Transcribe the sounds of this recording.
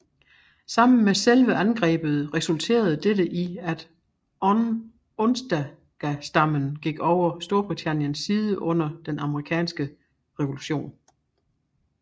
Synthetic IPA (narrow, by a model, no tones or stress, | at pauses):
sɑ̈m̰n̩meselʋəʔænɡ̥ʁɛ̰ːb̥ð̞̩ˠʁɛsult͡sʰe̝̰ːɐð̞ˠəd̥eɾəʔiæd̥ | ɔn | ɔ̽nsd̥æ | ɡ̥æsd̥ɑ̈mənɡ̥iɡ̥ɒʊɐsd̥o̝ɐb̥ʁit͡sʰæn̰jənsːiːð̞ˠəʔɔ̽n̰ɐd̥enɑ̈məʁikʰɛ̰ːnsɡ̥ə | ʁɛʋo̝luɕo̝̰ːn